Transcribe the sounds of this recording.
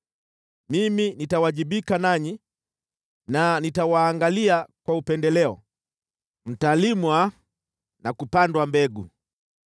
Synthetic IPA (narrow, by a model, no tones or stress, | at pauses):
miminitawaʄiɓikanaɲi | nanitawaːŋɡaliakwaupɛndɛlɛɔ̰ | m̩talimwa | nakupandwambɛɡṵ